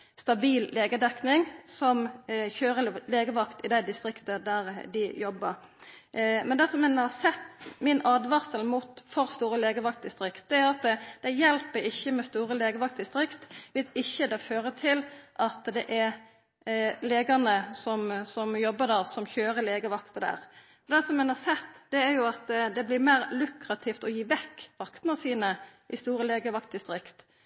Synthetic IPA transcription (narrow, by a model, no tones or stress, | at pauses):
st̪ɑbiːlleːɡəd̪ɛknɪŋsɔmçøːɾəleːɡəʋɑkt̪ɪd̪æɪd̪ɪst̪ɾɪkt̪əd̪æɾd̪ɪjɔbːəɾ | mɛnd̪ɛsɔmɛnəhɑsɛt̪ːmɪnɑːd̪ʋɑsəlmʊt̪fɔɾst̪uːɾəleːɡəʋɑkt̪̚d̪ɪst̪ɾɪkt̪̚d̪ɛæɾɑt̪̚d̪̥ɛɪjɛlpəɪçːəmɛst̪uːɾəleːɡəʋɑkt̪̚d̪ɪst̪ɾɪkt̪ʋɪlɪçːəd̪ɛføːɾət̪ʰɪlʔɑt̪d̪ɛʔɛɾ | leːɡɑnəsɔmsɔmjɔbːəd̪ɑsɔmçøːɾəleːɡəʋɑkt̪əd̪æ̰ːʁ | ɔd̪ɛsɔmɛnɑsɛt̪ːd̪̥ɛæɾjʊɑt̪d̪ɛblɪmeːɾlʉkɾɑt̪ʰɪft̪ɔjiːʋɛkːʋɑkt̪nɑsiːnəʔɪst̪uːɾəleːɡəʋɑkt̪ɪst̪ɾɪkt̪